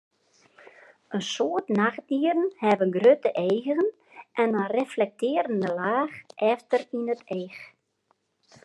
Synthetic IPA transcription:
ənsoətnaxt̚diəɾənhɛʋəɡrøtəʔejɣəɣən | ʔɛnənreflɛk̚tɪːəɾəndəlaːxʔɛftərinətʰeːx

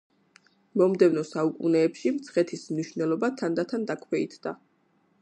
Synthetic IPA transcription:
mɔmd̪ɛvnɔsaukʼunɛːpʃimt̪sʰχɛt̪ʰismniʃvnɛlˠɔbat̪ʰand̪at̪ʰand̪akʰwɛḭt̪ʰd̪a̰

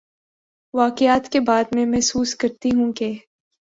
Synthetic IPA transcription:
ʋaːkɪjaːt̪kebaːd̪mẽmɛɦsuːskɐɾt̪iɦũke

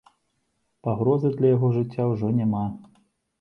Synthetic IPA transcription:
paɣɾɔzɨd̪lʲɐjaɣɔʐɨt͡sʲːawʐɔnʲama

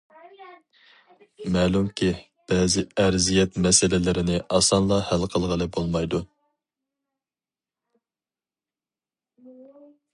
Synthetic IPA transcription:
mɛːlˠumkʲʰi | b̥ɛːzɪɛɾzijɛt̪mɛsɪlɪlɪɾɪnɪʔɑsɑnlˠɑhælqʰəlˠʁəlˠɨbolˠmɑjd̪u

